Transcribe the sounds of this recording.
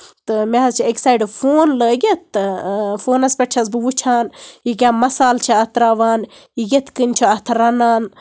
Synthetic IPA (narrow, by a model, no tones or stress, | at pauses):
t̪ɨmeɐzt͡ʃʰieksaːjɖɨfoːnləːɡʲet̪ːɨfoːnɐspʲeʈ̚t͡ʃʰɐzbɨʋut͡ʃʰaːnjikʲaːmɐsaːlt͡ʃʰiɐt̪ɾaːʋaːn | jiɡʲet̪ʰkɨnʲt͡ʃʰoɐt̪ʰɾɐnaːn